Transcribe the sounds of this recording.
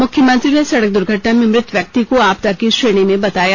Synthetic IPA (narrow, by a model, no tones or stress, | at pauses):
mʊkʰjəmə̃nt̪ɾinesɐɽək̚d̪ʊɾɡʱəʈnamẽmɾɪt̪ʰʋjɐk̚t̪ikoaːp̚t̪akiʃɾeːɽ̃imẽbɐt̪aːjaː